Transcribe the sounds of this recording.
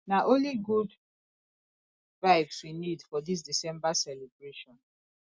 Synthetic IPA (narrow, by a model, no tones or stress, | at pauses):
naʔõnliɡud | ɹaɪpswinidfɔdis̬disɛ̃mbasɛlɛbɹeʃɔ̃n